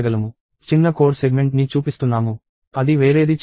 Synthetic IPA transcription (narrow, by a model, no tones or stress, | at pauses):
ɡɐlɐmu | t͡ʃinːɐko̞ːʈseɡme̞ɳʈnit͡ʃuːpist̪unːaːmu | ɐd̪iʋe̞ːɾe̞ːd̪it͡ʃ